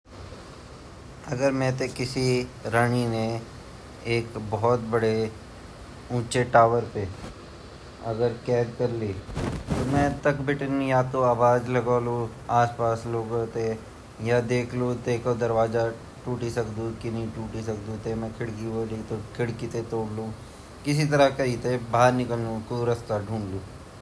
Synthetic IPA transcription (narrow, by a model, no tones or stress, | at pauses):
ɐɡəɾmɛ̃t̪ekɪsiɾəɳ̃ine | eːkbɔɔt̪̚bɐɽe | ũːt͡ʃeʈaːʋəɾpeː | ɐ̰ɡəɾkɛːd̪kɐɾliːt̪omɛ̃ːt̪ɐkbʱɪʈənjat̪oaːbaːd͡ʒlɐɡaːlu | aːspaːsloːɡot̪e | jad̪eːkʰlot̪eːkod̪ɐɾʋaːza | ʈuːʈisɐkd̪ũkinɐĩʈuːʈisɐk̚d̪ũt̪emɛ̃kʰɪɽkiʋoːlit̪okʰɪɽkit̪et̪oːɽlũ | kɪs̬it̪ɐɾakɐit̪ebaːəɾnɪkəlnũkuːɾɐst̪aɖʱũːɳlũː